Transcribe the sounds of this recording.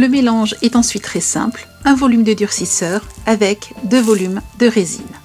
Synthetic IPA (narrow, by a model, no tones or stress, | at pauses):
ləmelɑ̃ʒɛt̪ɑ̃sɥit̪ːχɛsɛ̰̃plɛ̃vɔlymd̪əd̪yʁsisœːʁavɛkd̪øvɔlymd̪əʁezḭm